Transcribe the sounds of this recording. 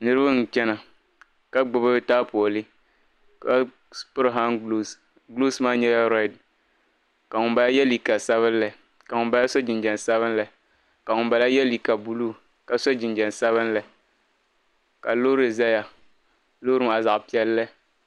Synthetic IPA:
nɨ˦ɾɨ˦ba˦ŋ̩˨t͡ʃɛ˦na˨ | ka˦ɡ͡bʊ˨bɨ˦bta˦po˨ɔ˨lɨ˦ | ka˦ | spʊ˦ɾɦa˦n˦ | ɡlu˦smaː˦ɲɛ˦ja˦ɾa˦˨d | ka˨ŋʊ˨mba˨la˦jɛ˦li˨ka˨sa˦βɨ˦n˦la˨ | ka˨ŋʊ˨mba˦ja˦so˦d͡ʒɪ˨nd͡ʒɛ˨n˨sa˦βɨ˦nla˨ | ka˨ŋʊ˨mba˨la˦jɛ˦li˨ka˨bu˨luː˦˨ | ka˨so˦d͡ʒɪ˨nd͡ʒɛ˨n˨sa˦βɨ˦n˦la˨ | ka˨lo˦ɾɨ˨za˦ja˨ | loː˦ɾɨ˦ma˨za˨ʔpi˨˦ɛ˦lːɨ˦

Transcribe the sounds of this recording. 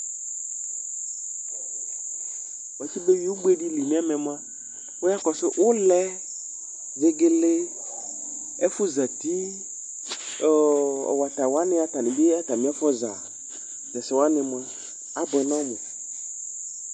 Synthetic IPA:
wa˨ti˦be˦ji˦wu˦ɡ͡be˦ɖi˦li˨mĩ˦a˦mɛ̃˨m˦ã˦ | wo˦a˦kɔ˨sɪ˦ʔʊ˦lɛ˦ | ve˦ɡe˦le˦ | ɛ˦fʊ˦za˨t̪i˦˨ | ɔ̰˨wa˨t̪a˨wa˦nɪ̃˦a˨t̪a˨nɪ̃˨be˦a˦t̪a˨mĩ˦a˦fɔ˦za̰˨ | zɛ˨sɪ˨wa˦nɪ̃˨mã˦ | a˦bɔ˨ɛ˨nã˦mʊ̃˨

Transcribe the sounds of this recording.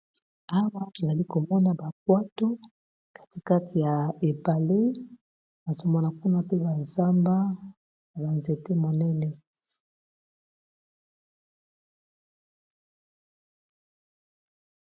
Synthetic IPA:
a˦wa˦ko˨za˨li˦ko˨mɔ˦na˨ba˨k̚wa˦to˦ | kḁ˨ti˦ka˦ti˨ja˨e˨pa˨le˦ | na˨zo˦mɔ˦na˨ku˦na˦pe˦ba˨nza˦mba˦˨ | ba˨nze˨te˦mo˨nɛ˦nɛ˨

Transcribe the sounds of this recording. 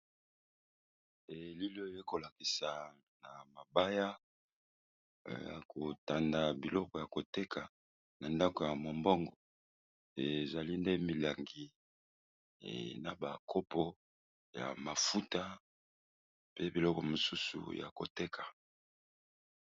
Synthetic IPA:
e˨li˦lo˦˨je˦ko˨la˨ki˨sa˨ | na˨ma˨ba˦ja˦˨ | ja̰˨kʰo˨ta˨nda˨bi˨lɔ˦kɔ˨ja˨ko˨te˦kʰa˨ | na˨nda˦ko˨ja˨mo˨mbɔ˦ŋɡɔ˨ | e˨za˨li˦nde˦mi˨la˨ŋɡi˨ | na˨ba˨kʰo˦pɔ˦ | ja̰˨ma˨fu˦ta˦ | pe˦bi˨lɔ˦kɔ˨mo˨su˦sṵ˨ja̰˨ko̰˨te˦kʰḁ˨

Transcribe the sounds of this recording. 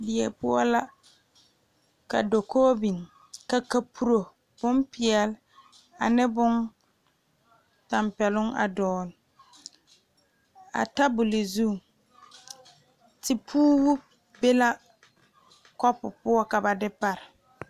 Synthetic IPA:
bɪ˨ɛ˨pʊ˦ɔ̰˦la˦ | ka̰˨do˨koː˦bi˨ŋ | ka˨ka˨pʰu˨ɾo˨ | b̥ʊ˦mpɪ˨ɛ˨l | a̰˨nɛ˦bʊ˦n | ta˨mpɛ˨lʊ˦ŋa̰˨dɔː˨lɪ˨ | a̰˨ta˦bʊ˨lɪ˨zu˦˨ | tɪ˨pʰuː˦bʊ˦ | be˦la˦ | kɔ˦pʊ˨pʊ˦ɔ˦ka˨ba˨dɪ˦pa˦ɾɪ˨

